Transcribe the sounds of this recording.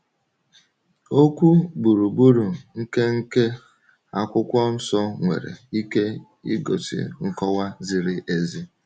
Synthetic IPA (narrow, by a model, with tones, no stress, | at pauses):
o˦kʷu˦bu˨ɾu˨bu˦ɾu˨ŋ̩˦ke˦ŋ̩˦ke˦ | a˦kʷʊ˦kʷɔ˦n̩˦sɔ˦ŋʷḛ˨ɾḛ˨i˦ke˦ | ḭ˦ɡo̰˨tɪ̰˨ŋ̩˦kɔ˦wa˦zi˨ɾɪ˦ʔe˨zi˦